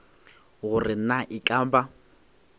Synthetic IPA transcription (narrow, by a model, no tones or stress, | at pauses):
ɣʊrɪnaʔɪkʼaːmba